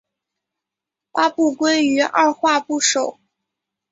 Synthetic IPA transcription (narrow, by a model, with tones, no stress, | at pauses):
pa˥pu˥˩kwe˥ɪy˧˥ʔa̰˥˧xwa˥˧pu˥˩ʂo˨˩˦ʊ